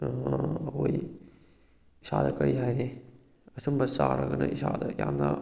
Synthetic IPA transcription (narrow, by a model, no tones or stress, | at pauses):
koj | isad̪ɐkɐɾiɦajne | ɐsumbɐsaɾɐɡɐnɐisad̪ɐjannɐ